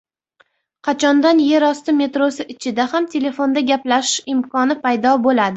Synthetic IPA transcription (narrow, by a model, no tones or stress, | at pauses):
qʰɑt͡ʃʰɒnd̪anje̞ɾɒst̪ɪme̞t̪ɾosɪʔɪt͡ʃʰɪd̪ahamt̪ʰe̞le̞fo̞nd̪aɡʲaplaʃɪmkʰɒnɪpʰajd̪ɒbolad̪ɪ